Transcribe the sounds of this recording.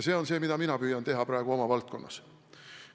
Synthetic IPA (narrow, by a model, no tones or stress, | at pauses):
se̞ːo̞nse̞ːmid̪ɑminɑpyːjɑnt̪e̞ɦɑprɑˑeɡ̥uo̞mɑvɑlt̪̚ko̞nːɑ̰s